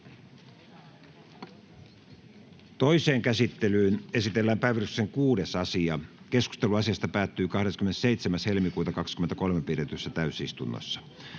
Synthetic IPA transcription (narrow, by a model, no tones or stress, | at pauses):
t̪oiseːŋkæsit̪ːelyːne̞sit̪elːæːmpæiʋyrykseŋkuːdesɑsiɑkesku̥st̪eluɑsiɑst̪ɑpæːt̪ːyːkɑhɾeskymeneseit̪semæshelmikuːt̪ɑkɑkskyment̪ækolmepiret̪ysːæt̪æysist̪unːo̰sːɑ̥